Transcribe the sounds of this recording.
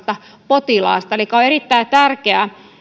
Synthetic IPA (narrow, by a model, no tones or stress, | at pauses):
t̪ɑ | pot̪ilɑ̰ːˑst̪ɑelikːɑoerit̪ːæit̪ærkeæ